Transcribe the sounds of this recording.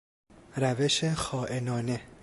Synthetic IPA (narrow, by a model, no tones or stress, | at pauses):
ɾæveʃexɒːʔenɒːne